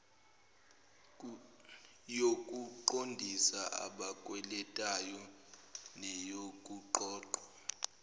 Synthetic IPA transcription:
jokʼuǃondʱisaʔa̰ɓakʼwɛlɛtʼajɔ | nɛjokʼuǃɔːǃa

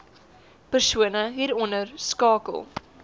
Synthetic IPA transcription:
pərsuənəɦiɾɔnərskɑːkə̰lˠ

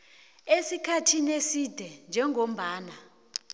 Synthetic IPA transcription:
esikʰatʰinesid̥ʱɛnd͡ʒʱɛŋʱom̩ɓaːna

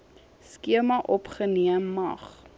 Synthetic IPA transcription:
skiəmɐʔɔpχəniəmːɐ̰χ

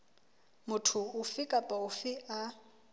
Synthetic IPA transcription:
mʊtʰʊʊfɪkʼapʼaʊfɪʔa

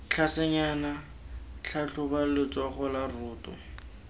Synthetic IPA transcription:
t͡ɬʰasɛɲaːna | t͡ɬʰaɬʊbalɪt͡sɔχɔlarʊːtʼʊ̰

